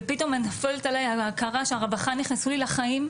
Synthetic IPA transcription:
pito̞menafeletalajaakaʁaʃeaʁabaχanːiχnesulilaχaim

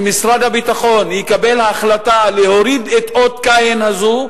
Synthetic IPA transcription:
misɾad̪habit̪aχo̞nikabe̞lhaːχlat̪aleho̞ɾid̪et̪ʔot̪kajenhazu

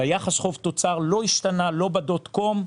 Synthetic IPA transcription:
ajaχasχo̞vt̪o̞t͡saʁlo̞iʃt̪analo̞badot̪ko̞m

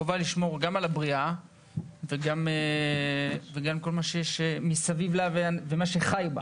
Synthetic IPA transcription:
ovaliʃmo̞ʁɡamalabʁia | veɡame | veɡamko̞lmaʃejeʃemisavivlaveavemaʃeχajba̰

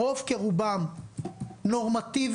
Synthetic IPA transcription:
ofkeʁubam | noʁmat̪iv

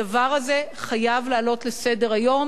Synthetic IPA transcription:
avaʁaze̞χajavlaːlo̞tle̞se̞de̞ʁajo̞m

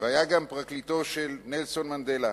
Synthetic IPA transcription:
vehajaɡampʁaklit̪o̞ʃelnelso̞nmand̪ela

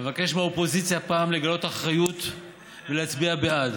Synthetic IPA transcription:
evake̞ʃmaopo̞zit͡sjapaːmle̞ɡalo̞taχʁajut̪ | veleat͡sbiabead

